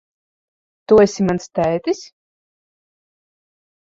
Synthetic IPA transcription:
t̪uesʲimanst̪æjt̪isʲ

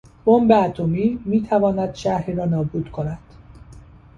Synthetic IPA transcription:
b̥ombeæt̪ʰomiːmiːt̪ʰævɒːnæd̪̥ʃæhiɾɒːnɒːbuːd̪̥kʰo̞næd̪̥

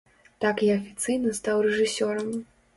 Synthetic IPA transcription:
t̪akiɐfʲit̪sɨjnɐst̪awrɛʐɨsʲɔɾɐm

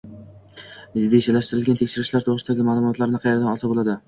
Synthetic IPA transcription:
d̪esalaʃt̪ɪɾɪlɡʲant̪ʰekʲʃɪɾɪʃlaɾt̪ʰoɾɨɪsɪd̪aɡʲɪmaːlˠʊmɒt̪laɾnɪqʰɑjeɾd̪anɒt̪ʰabolˠad̪ɪ

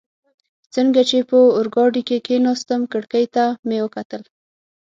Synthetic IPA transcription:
t͡səŋɡat͡ʃepəʊɾɡɑɖikekenɑst̪əmkəɽkajt̪amewəkat̪əl

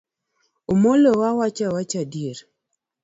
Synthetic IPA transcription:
omolowawat͡ʃawat͡ʃadieɾ

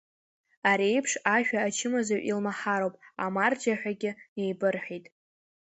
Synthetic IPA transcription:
aɾejpʰʂaʃᶣaːt͡ʃʰɪmazaɥʔilmaħaɾowpʼa̰mard͡ʒaħʷᶣaɡʲɪne̞jbɨrħijtʼ

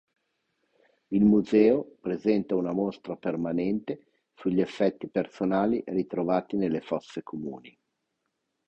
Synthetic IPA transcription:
ilmuzɛːopɾezɛnt̪aunamost̪ɾapermanɛnt̪e | suʎːefːɛt̪ːipersonaːliʔrit̪ɾovaːt̪inelːefɔt̪ssːekʰomṵːni

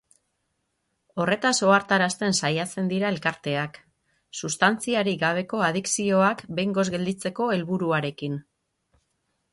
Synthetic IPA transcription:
o̞re̞t̪aso̞aɾt̪aɾast̪e̞nsajase̞nd̪iɾae̞lkaɾt̪e̞ak | sust̪ant͡siaɾiɡaβ̞e̞ko̞að̞iksio̞akbe̞jŋɡo̞zɡe̞ld̪it͡se̞ko̞e̞lβuɾuaɾe̞kin

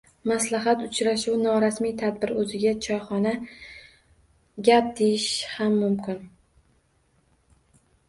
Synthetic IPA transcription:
maslaɦat̪ʊt͡ʃʰɾaʃuwnɒɾasmijt̪ʰad̪bɪɾɵzɪɡʲat͡ʃʰɒjχɒna | ɡʲap̚d̪ejɪʃhamːʊmkʲɪn

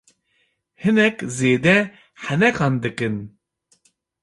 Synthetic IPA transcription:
hɨnɛkzeːd̪ɛ | ħɛnɛkɑnd̪ɨkɨn

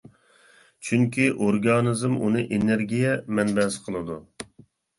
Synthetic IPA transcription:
t͡ʃʰyŋkʲʰiʔoɾɡɑːnɨzɨmṵnɨʔeneɾɡʲijɛmɛnbɛsqʰəlˠɨd̪u

